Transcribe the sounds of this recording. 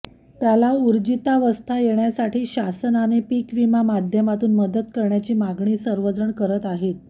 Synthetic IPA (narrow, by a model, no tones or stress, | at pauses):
t̪jalauɾd͡ʑit̪aʋəst̪ʰajeɳjasaʈiːɕasənanepikʋimamad̪ʱjəmat̪uːnməd̪ət̪kəɾɳjat͡ɕiːmaɡɳiːsəɾʋəd͡zəɳkəɾət̪aɦet̪̚